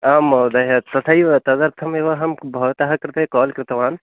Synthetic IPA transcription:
amd̪ɐɦɐt̪ɐt̪ʰɐjt̪ɐd̪ɐɾt̪ʰɐmeʋɐɦɐmbʱɐʋt̪aɦɐkɐɾt̪ekɔːlkɾɪt̪ɐʋaːn

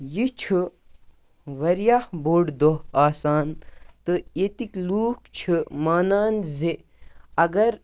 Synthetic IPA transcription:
jit͡ʃʰɨ | ʋɐɾijahboːɖd̪oɦaːsaːnt̪ɨet̪ikluːkt͡ʃʰɨmaːnaːnze | ɐɡɐɾ

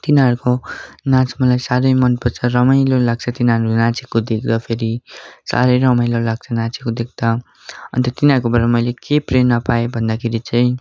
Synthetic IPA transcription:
t̪inaɾkonat͡smʌlajsaɾʌjmʌnpʌt͡sʰʌrʌmʌjlolaɡ̚t͡sʰʌt̪inaɾunat͡sikːod̪ek̚ʰd̪ʌpʰeɾisa̰ɾʌjɾʌmʌjlolaɡ̚t͡sʰʌnat͡sikod̪ek̚ʰd̪̥ʌ | ʌ̰nt̪ʌt̪inaɾkobaɾamʌjlekeprenʌpaebʱʌnd̪akʰeɾit͡sʌj̃

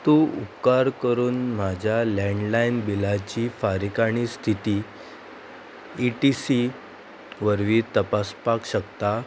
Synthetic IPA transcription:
t̪uupkaɾkəɾuːnm̤ad͡ʑʱjalɛɳɖlainbilat͡ɕiːfaɾikaɽ̃ist̪ʰit̪iː | iʈisi | ʋəɾʋiːt̪əpaspakɕəkt̪a

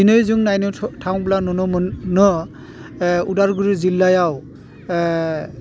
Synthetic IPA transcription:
inɔjzuŋnajnɯtʰawŋblanɔnɔnɔ | udaɹɡuɹizilːajaw

